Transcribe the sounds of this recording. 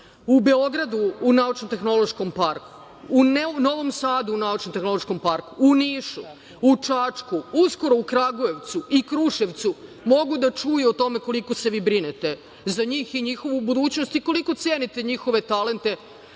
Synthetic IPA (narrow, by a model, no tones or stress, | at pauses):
ubeo̞ɡɾad̪uːnaut͡ʃnomt̪e̞xno̞lo̞ʃko̞mpaɾku̥ | unno̞ʋo̞msaːd̪uːnaut͡ʃnomt̪exno̞loʃko̞mpaɾkuːniːʃu | ut͡ʃat͡ʂkuusko̞ɾo̞ukɾaɡoe̞ʋt̪suikɾuʃeʋt̪su | mo̞ɡud̪at͡ʃujuot̪o̞me̞ko̞liko̞se̞ʋiːbɾinet̪e̞ | zaɲiːxiɲixo̞ʋubud̪uːt͡ɕnost̪iko̞liko̞t̪sjeːnit̪e̞ɲixo̞ʋe̞t̪ale̞nt̪e̞